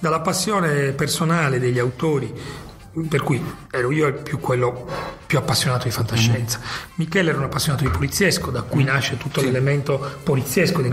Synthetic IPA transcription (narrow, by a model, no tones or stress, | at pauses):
d̪alːapasːjɔːnepersonaːled̪eʎːawt̪oːɾi | perkujɛːɾoiːopjukːwelːopjuapːasːjonaːt̪od̪ifant̪aʃːɛnt̪sḁmikɛːlɛːɾunapːasːjoɔnaːt̪od̪ipolit̪sːjɛskod̪akːujnaʃːet̪ut̪ːolelement̪opolit̪sːjɛskod̪i